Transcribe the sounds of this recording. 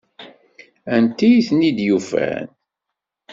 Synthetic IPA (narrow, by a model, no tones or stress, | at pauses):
ænt̪ijiθnid̪jufæ̰n